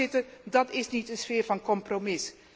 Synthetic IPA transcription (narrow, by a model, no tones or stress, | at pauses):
ɪtəndɑtɪsnitənsfɪːrvɑnkɔmpromɪs